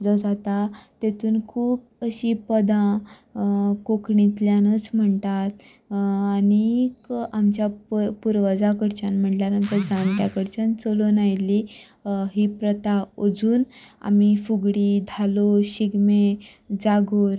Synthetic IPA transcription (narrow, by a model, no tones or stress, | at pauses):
d͡zɔd͡zat̪at̪et̪uːnkʰuːb̚ | əɕipəd̪ã | kokɳit̪ljanət͡sm̤əɳt̪at̪ | anikamt͡ɕjapuɾʋəd͡zakəɽt͡ɕanm̤əʈljaɾnənt̪əɾd͡zãnt̪jakəɾt͡ɕant͡solonajli | ɦiːpɾət̪aod͡zuːna̰mifuɡɽid̪ʱaloɕiɡme | d͡zaɡoɾ